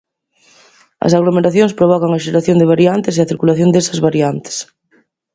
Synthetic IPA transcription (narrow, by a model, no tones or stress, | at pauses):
ɐ̰saɣlomeɾaθjoŋspɾoβ̞ɔkaŋɐʃeɾaθjõnd̪eβaɾiant̪eseɐθiɾkulaθjond̪esɐzβaɾiant̪e̥s